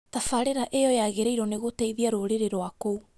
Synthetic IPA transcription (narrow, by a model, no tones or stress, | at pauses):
tafaɾeɾaʔejɔjaɣeɾeiɾɔneɣoteiðiaɾoɾeɾeɾwakou